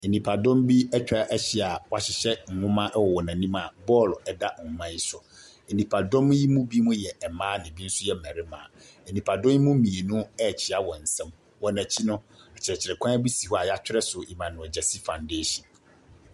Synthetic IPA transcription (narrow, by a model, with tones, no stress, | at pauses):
e˨nĩ˨pʰa˨dɔ̃˦mbi˦ɛ˦t͡ɕᶣa˨ʔɛ˦ɕɪ˦a˨wa˨ɕɪ˨ɕɛ˦ŋ̩˨ŋʊ̃˦mã˦ʔɛ˦wɔ˨wɔ˨nã˨nĩ˦ma˨bɔ˦˨lɛ˨da˦ŋ̩˨ʊ̃˦mã˦ji˦sʊ˨ | e˨nĩ˨pʰa˨dɔ̃˦m˦ji˦mũ˦bi˦mũ˦jɛ˨ɛ˨mãː˦nɪ̃˨bi˦n̩˦sʊ˦jɛ˦˨mæ˨ɾɪ˦mã̰˨ | ɛ˨nĩ˨pʰa˨dɔ̃˦i˦mũ˦mĩ˨e˨nũ˦ɛ˦˨t͡ɕʰi˨a˦wɔ˨n̩˨sɛ̃˦m | wɔ˨næ̃˨t͡ɕʰi˦nʊ̃˦a˨t͡ɕʰɪ˨ɾɛ˨t͡ɕʰɪ˨ɾɛ˨kʷʰã˦bi˦si˨hɔ˦a˨jɛ˦a˦t͡ɕᶣɪ˦ɾɛ˦sʊ˨i˨mã˨nʊ̃˨ɔ˨d͡ʑɛ˨si˦fã˨nde˦ɕĩ˨n